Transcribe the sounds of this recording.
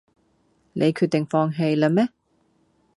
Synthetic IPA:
nʔe˨˧jkʰyː˧t̪̚ɪ˨ŋfɔː˧ŋɦe˧jlɐ˧mɛː˥

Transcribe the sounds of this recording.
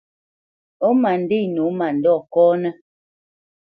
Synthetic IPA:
o˦ma˨n˨di˦˨no˨˦ma˨n̩˨dɔ˦˨kɔː˦nɛ˦

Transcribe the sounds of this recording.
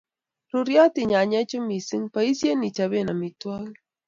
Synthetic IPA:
ɾu˨ɾjɔ˦ti˨ɲa˨ɲɛ˦t͡ʃʊ˦mi˨si˦ŋpa˨i˦sje˦ni˨t͡ʃa˨be˦˨na˨mi˨twa˦ɣ

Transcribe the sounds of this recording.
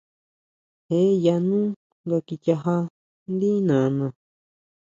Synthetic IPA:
he˦ja˧nũː˦ | ŋɡa˧ki˧t͡ʃʲa˧ɦa˧ | nd̪i˦nã˨˧nã˨˧

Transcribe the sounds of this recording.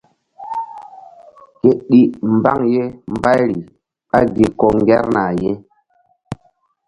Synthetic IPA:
ke˨ɗi˦m˨ba˦ŋje˦m˦ba˦jɾi˨ | a˦ɡi˨ko˨ŋɡɛ˦ɾna˨je˦

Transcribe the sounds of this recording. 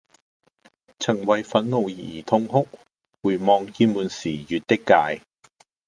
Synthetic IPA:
t͡sʰɐ˨˩ŋwɐ˨jfɐ˨˥nŋo˨˩wjiː˨˩t̪ʰʊ˧ŋɦʊ˥k̚ | wuː˨˩jmɔː˨˧ŋjiː˧muː˨nsiː˨˩jyː˨˧t̚t̪ɪ˥kːaː˧j

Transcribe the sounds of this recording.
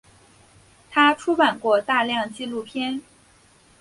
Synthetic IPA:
t̪ʰa˥ʈ͡ʂʰu˥pa˨˩nkwɔ˥˧t̪a˥˧ljɑ˥˧ŋt͡ɕi˥˧lu˥˩pʰjɛ˥n

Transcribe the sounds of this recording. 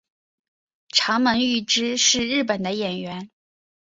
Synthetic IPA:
ʈ͡ʂʰɑ˧˥ŋmə˧˥ŋy˥˩ʈ͡ʂɻ̩˥ʂɻ̩˥˧ɻɻ̩˥˩pə˨˩nd̪ə˦jɛ˨˩nɥɛ˧˥n

